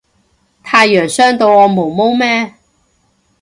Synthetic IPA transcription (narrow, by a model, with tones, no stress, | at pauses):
t̪ʰaː˧jːœː˨˩ŋsœː˥ŋt̪o˧wɔː˨˧mo˨˩wmo˥wmɛː˥